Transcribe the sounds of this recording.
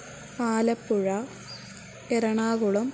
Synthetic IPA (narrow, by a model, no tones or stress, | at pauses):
paːlɐpːuɻɐ | eɾɐɳaːɣuɭɐm